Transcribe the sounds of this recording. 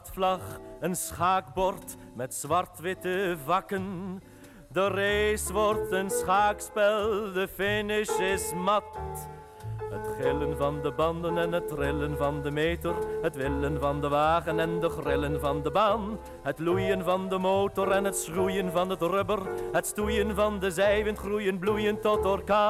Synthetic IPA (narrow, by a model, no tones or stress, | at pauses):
tflɑχənsχaːɡ̚bɔɹt | mɛtsʋɑrtʋɪtəvɑkən | dərejsʋɔrtənsχaːkspɛlˠdəfɪnɪsɪsmɑt | ɦətχɪlənvɑndəbɑndənɛnɦətrɪlənvɑndəmeːtərɦətʋɪlənvɑndəʋaːχənɛndəχrɪlənvɑndəbaːn | ɦətlujənvɑndəmoːwtɔɾɛnɦətsrujənvɑnɦətrʏbərɦətstujənvɑndəzɛjvənχrujənblujəntɔtɔrka